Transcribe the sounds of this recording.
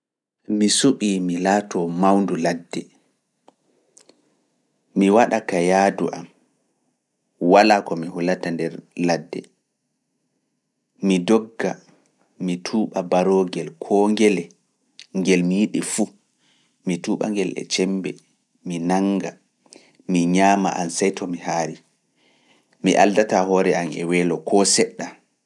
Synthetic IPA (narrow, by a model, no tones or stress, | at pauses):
misuɓiːmilaːtɔmawnduladːɛ | miwaɗakajaːduʔam | walaːkɔmihulatandɛɾladːɛ̰ | midɔɡːa | mitʰuːɓabaɾoɡɛlkʰɔŋɡɛlɛ | ŋɡɛlmijiɗifu | mituɓa̰ŋɡɛlɛ̰t͡ʃɛmbɛ̰ | minaŋɡa | miɲaːma̰ʔansajtʰɔmihaɾi | miʔa̰ldatahɔɾɛamɛ̰wɛːlɔkʰɔsɛɗːa